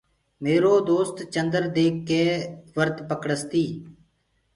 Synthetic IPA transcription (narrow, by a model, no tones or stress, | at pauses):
meːɾoːd̪oːst̪t͡ʃənd̪əɾd̪eːkːeːʋəɾt̪pəkɽəst̪iː